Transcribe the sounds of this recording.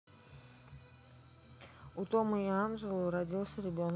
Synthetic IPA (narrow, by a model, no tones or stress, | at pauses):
ut̪o̞məianʐɨlˠʊɾɐdʲilˠsʲəɾʲɪbʲo̞n